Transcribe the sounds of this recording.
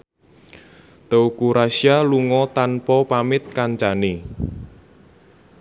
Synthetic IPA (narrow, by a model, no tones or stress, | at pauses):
t̪əukuɾasialuŋɔt̪anpɔpamɪt̪̚kaɲt͡ʃane